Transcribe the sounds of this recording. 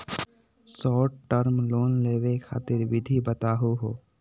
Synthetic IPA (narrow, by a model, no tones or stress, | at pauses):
sɔːʈʈəɾmloːnleːʋekʰa̰ːt̪ɪɾʋɪd̪ʱibət̪aːɦuɦoː